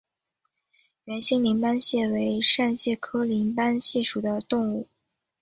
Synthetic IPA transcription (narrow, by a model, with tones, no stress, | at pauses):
ɥɛ˧˥nɕi˥ŋli˧˥npa˥nɕjɛ˥˩we˧˥ɪʂa˥˧nɕjɛ˥˩kʰɤ˥li˧˥npa˥nɕjɛ˥˩ʂu˨˩d̪ə˦t̪ʊ˥˧ŋu˥˩